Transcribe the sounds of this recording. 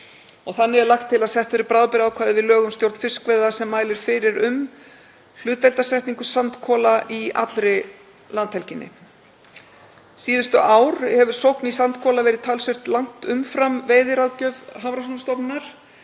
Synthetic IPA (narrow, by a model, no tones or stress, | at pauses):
ɔɣθanːɪɛɾlaxt̪ʰːɪlaðsɛht̪vɪɾɪpɾaːðpɪɾawkʰvaːðɪvɪðlœːɣʏmst̪jowɾt̪fɪskvejðasɛmːaːjlɪɾ̥fɪɾɪɾʏm | l̥ʏːt̪vɛjlt̪asɛht̪niŋkʏsant̪kʰɔːlaʔia̰t̪lɾɪ | lant̪hɛlcɪnːɪ̰ | siːðʏst̪ʏʔaːwɾ̥hɛvʏɾ̥sowhknisant̪kʰɔːlavɛːɾɪðt̪ʰaːlsʏr̥t̪laŋ̥t̪ʏmfɾamveːjðɪɾawcœvɦavɾasunst̪ɔpnaɾ̥